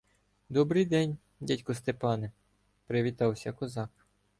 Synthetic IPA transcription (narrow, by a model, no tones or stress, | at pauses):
d̪ɔbɾɪjd̪ɛnʲ | dʲatʲkɔst̪epɑnɪ | pɾɪʋʲit̪ɑwsʲɐkɔzɑk